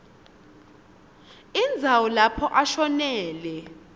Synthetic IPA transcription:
ind͡zʱawɔlapʰɔʔaʃɔnɛːlɛ

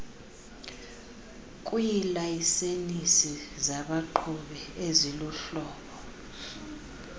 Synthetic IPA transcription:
kʼujilaisenisizaɓaǃʰuɓɛeziluɬɔːɓɔ

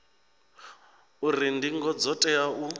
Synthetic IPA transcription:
urindiŋɡɔd͡zɔtʼɛaʔu

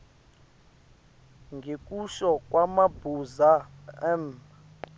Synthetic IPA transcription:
ŋɡʱekʼuʃɔk̬ʼwamab̥ʱuzaɛm

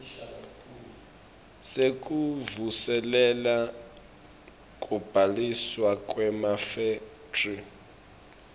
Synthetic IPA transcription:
sek̬ʼuvusɛlɛla | kʼub̥ʱaliswakʼwɛmafe | tri

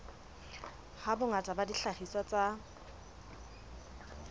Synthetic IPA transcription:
habʊŋatʼabadiɬaχiswat͡sʼa

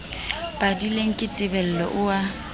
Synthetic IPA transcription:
pʼadileŋ̩kʼɪtʼɪbɛl̩lɔ̰ʔʊa

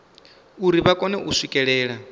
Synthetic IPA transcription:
uɾiβakʼɔnɛʔusʷikʼɛɺɛːɺa

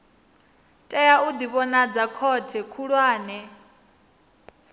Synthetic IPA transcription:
tʼɛjaud̪iβɔnad͡zakʰɔtʰɛkʰuɺwaːnɛ

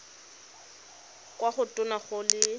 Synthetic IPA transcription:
kʼwaχʊtʼʊnaχʊlɪ

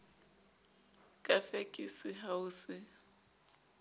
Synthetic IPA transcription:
kʼafekʼisɪɦaʊsɪ

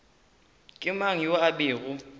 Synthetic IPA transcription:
kʼɪmaŋ̩joabɪːɣʊ

